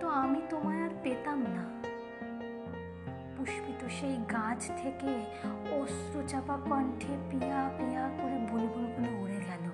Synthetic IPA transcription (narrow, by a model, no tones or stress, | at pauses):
t̪oamit̪omaɾaɾpet̪amna | puʃpit̪oʃejɡãd͡ʒt̪ʰeke | osɾut͡ʃapapəɳʈʰepijapijakoɾibʱulɡulɡulouɽeɡɛla